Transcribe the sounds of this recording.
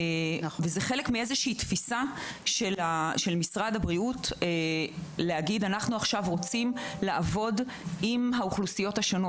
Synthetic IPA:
vezeχe̞lekmie̞zeʃiiːtfisaʃelaʃelmisʁadabʁiut | leaɡidanaχnuaχʃavʁo̞t͡simlaʔːvo̞d | imɦauχlusijothaʃono̞

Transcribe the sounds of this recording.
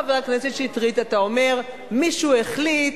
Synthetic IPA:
aveakneset̪ʃeit̪ʁit̪at̪ao̞me̞ʁ | miʃueχlit

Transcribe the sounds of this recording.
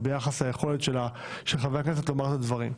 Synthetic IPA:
be̞jaχaslaje̞χo̞let̪ʃe̞la | ʃelχaveaknes̬et̪lo̞maʁt̪advaʁim

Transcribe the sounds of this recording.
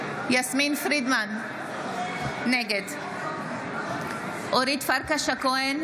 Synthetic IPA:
jasminfɾid̪man | eɡed̪ | ʔoɾit̪faɾkaʃakoen

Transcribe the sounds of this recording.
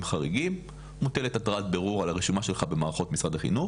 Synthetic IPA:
mχaʁeɡim | moteletatʁatbeʁuʁalaʁiʃumaʃe̞lχabe̞maːʁaχo̞tmisʁadaχḭnu

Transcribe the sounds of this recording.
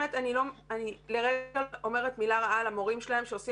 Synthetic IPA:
etanilo̞manileʁeɡaomeʁetmilaʁaalamo̞ʁimʃelaɦe̞mʃeosi

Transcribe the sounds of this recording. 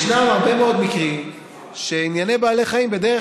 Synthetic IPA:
ʃnamaʁbe̞meo̞d̪mikʁim | ʃeinjanebaːle̞χaimbe̞d̪eʁe

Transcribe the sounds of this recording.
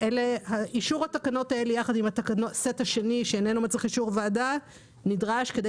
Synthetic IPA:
ʔelehaʔiʃuʁhatakano̞taelejaχadimhat̪akanotset̪haʃe̞niʃeːnenumat͡sʁiχiʃuʁveːda | nidʁaʃke̞d̪e

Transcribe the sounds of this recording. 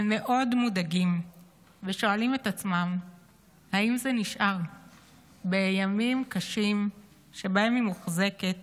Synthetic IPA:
me̞ʔo̞dmudaɡim | veʃo̞alime̞t̪at͡smam | haimzeniʃʔaʁ | bejamimkaʃim | ʃe̞baemimuχze̞ke̞t

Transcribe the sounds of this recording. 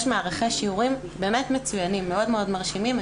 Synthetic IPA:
ʃmaaʁaχeʃiuʁim | be̞ːmetmet͡sujanimːeo̞dmeo̞dmaʁʃimim

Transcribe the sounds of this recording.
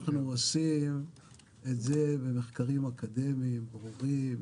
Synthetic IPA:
χnuosim | etzebemeχkaʁimakad̪e̞mimbʁuʁim

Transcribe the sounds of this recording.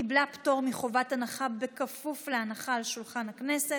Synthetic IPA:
iblapto̞ʁmiχo̞vatanaχabekafufleanaχaːlʃulχanhaknese̞

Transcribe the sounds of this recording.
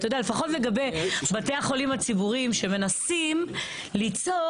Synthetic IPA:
tajod̪ealefaχo̞tle̞ɡabe̞bate̞aχo̞limat͡sibuʁimʃe̞me̞nasim | lit͡so

